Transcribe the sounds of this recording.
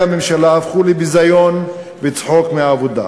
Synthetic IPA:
amemʃalaːfχulibizajon | vet͡sħokmeaːvod̪a̰

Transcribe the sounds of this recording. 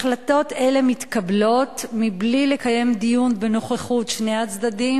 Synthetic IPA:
χlato̞te̞le̞mitkablo̞tmiblile̞kaje̞md̪ijunbe̞no̞χeχutʃne̞at͡sd̪adim

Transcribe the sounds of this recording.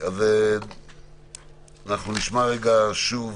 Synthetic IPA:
ave | anaχnuniʃmaʁeɡaʃuv

